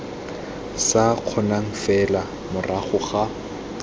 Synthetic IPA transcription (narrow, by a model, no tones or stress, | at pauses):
saq͡χʰɔnaŋ̩fɛla | mʊraχʊχa